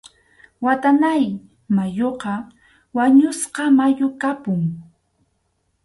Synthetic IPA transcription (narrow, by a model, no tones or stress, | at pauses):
wat̪anaj | majoqɑ | waɲʊsqɑmajʊkapʊŋ